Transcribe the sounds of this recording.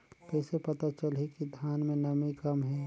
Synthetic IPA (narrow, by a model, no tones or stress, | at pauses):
kɛːsepɐt̪at͡ʃəlɦikid̪ʱjaːnmẽnɐmikɐmɦɛː